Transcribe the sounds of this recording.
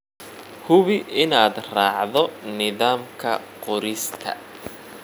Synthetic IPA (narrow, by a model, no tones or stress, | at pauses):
hʊβɪɪnaːd̪raːʕðɔnɪðaːmkʰɐ̰qɔɾɪst̪ʰɐ̰